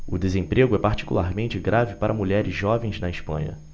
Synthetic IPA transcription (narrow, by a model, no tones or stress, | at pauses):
ʊd̪ezẽpɾeɡʊɛpaɾt͡ʃi̥kulaɾmẽnt͡ʃɪɡɾavɪpaɾʔɐmuʎɛɾɪzʒɔvẽj̃znɐɪspɐ̰̃ɲɐ̰